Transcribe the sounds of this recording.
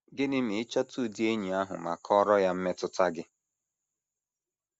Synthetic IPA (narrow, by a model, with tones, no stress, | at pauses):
ɡɪ˦nɪ˦m̩ɪ˨ɪ˦t͡ʃa˦tʰu˦˨di˦e˦ɲi˨a˦ɦʊ̰˨ma̰˨kʰɔ˦ɾɔ˦ja˦m̩˦me˦tʊ˦ta˦ɡɪ˦